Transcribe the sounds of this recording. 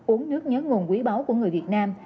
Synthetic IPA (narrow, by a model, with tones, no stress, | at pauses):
u˨˦ənːɨ˦˥ək̚ɲəː˨˦nŋo˨˩nkwi˨˦ɓa˨˦wku˧˩əŋɨ˨˩əjvi˨˩ət̚naː˧m